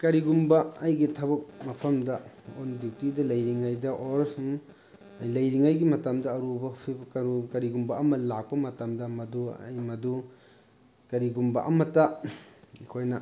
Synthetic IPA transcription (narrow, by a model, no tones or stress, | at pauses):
kɐɾiɡumbɐːjɡitʰɐbɐk̚mɐpʰɐmdɐ | ondiwtidɐlɐjɾiŋajdɐʔoɾsuŋ | ɐjlɐjɾiŋajɡimɐtamdɐːɾubɐpʰibkɐɾukɐɾiɡumbɐʔɐmɐlak̚pɐmɐtamdɐmɐdṵjmɐdu | kɐɾiɡumbɐ̰ʔɐmɐtɐ | kʰojnɐ